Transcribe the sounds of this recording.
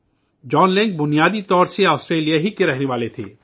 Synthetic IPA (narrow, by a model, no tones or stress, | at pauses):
d͡ʒɔːnlẽŋk̚bʊnijaːd̪it̪ɔːɾseaːstɾeːlijaɦikeɾɛɦneʋaːlet̪ʰḛː